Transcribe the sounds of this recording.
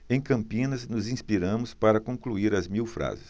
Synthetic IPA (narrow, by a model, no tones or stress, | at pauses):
ẽj̃kɐ̃mpĩnɐznʊzĩspiɾɐ̃mʊspaɾɐkõkluiɾɐzmiwfɾa̰zɪs